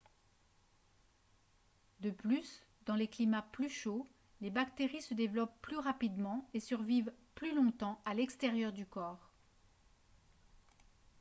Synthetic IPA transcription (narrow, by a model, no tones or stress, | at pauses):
d̪əplys | d̪ɑ̃leklimaplyʃo | lebakt̪eʁisəd̪evlɔpːlyʁapid̪mɑ̃esyʁvivplylɔ̃t̪ɑ̃alɛkst̪eʁjœʁd̪ykɔːʁ